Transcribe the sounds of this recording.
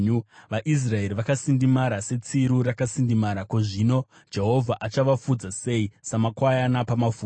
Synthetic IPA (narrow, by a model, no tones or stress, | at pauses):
uʋaʔis̬rae̞ɾiʋakasindimaɾase̞t͡siɾuɾakasindimaɾakoʐino̞ | d͡ʒe̞ɦo̞vʱaʔat͡ʃaʋafud͡zase̞isamakwajanapamafuː